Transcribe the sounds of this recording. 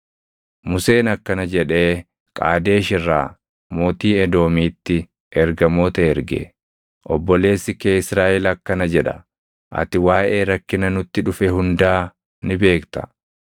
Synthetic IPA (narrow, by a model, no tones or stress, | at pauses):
mʊse̞ːnɐkːɐnɐd͡ʒɛᶑe̞ː | kʼa̰ːd̪e̞ːʃɪrːaː | mo̞ːt̪iːɛd̪o̞ːmiːt̪ːɪ | ʔɛɾɡɐmo̞ːt̪ɐɛɾɡḛ | ʔɔbːɔle̞ːsːɪkeːɪsɾaːʔɛlɐkːɐnɐd͡ʒɛᶑɐ̰ | ʔɐ̰t̪ɪwaːʔe̞ːɾɐkːɪnɐnʊt̪ːɪᶑʊfɛhʊnd̪aː | nɪbe̞ːkt̪ɐ̥̰